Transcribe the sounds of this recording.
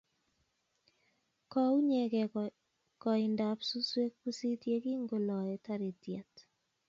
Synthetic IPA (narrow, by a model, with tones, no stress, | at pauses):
kɔ˦u˦ɲe˨kɛ˨ | kɔ˨ɪ˨nda˨psu˦swe˦k̚pu˦si˦tje˦ki˦ŋɡo˨lɔ˨ɛ˨ta˦ɾe˨tja˨t